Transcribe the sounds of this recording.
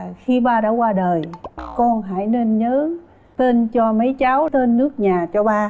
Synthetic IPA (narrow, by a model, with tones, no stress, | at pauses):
xi˧ɓaː˧ɗa̰ː˧˥kwaː˧ɗəː˨˩jkɔ˧nɦa̰ː˧˥˨jne˧nɲəː˨˦ | t̪e˧nt͡ɕɔ˧mə˨˦jt͡ɕaː˨˦wt̪e˧nːɨ˦˥ək̚ɲaː˨˩t͡ɕɔ˧ɓaː˧